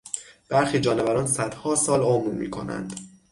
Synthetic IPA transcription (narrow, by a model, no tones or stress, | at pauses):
b̥æɾxiːd͡ʒɒːnevæɾɒːnsæd̪̥hɒːsɒːlomɾmḭːkʰo̞̰næ̰nd̪̥